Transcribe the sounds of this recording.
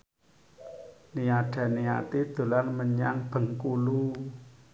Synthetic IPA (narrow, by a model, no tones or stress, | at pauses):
niaɖ̥a̤nia̰t̪id̪̥o̤lanməɲa̰ŋb̥ə̤ŋkulu